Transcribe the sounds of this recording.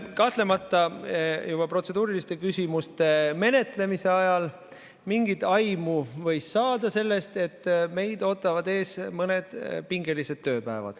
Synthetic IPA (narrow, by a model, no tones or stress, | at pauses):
kɑht̪le̞mɑt̪ːˑɑjub̥ɑpro̞t̪se̞d̪uːɾilist̪e̞kysʲimust̪e̞me̞ne̞t̪le̞mise̞ɑjɑl | miŋɡit̪ɑjmuvɤ̞jsːɑːd̪̥ɑse̞lːe̞st̪e̞t̪ːme̞jd̪̥o̞ːt̪ːˑɑvɑd̪e̞ːsmɤne̞d̪̥piŋɡe̞lise̞d̪̥̚t̪ːø̞ːpæevɑ̰d̪̥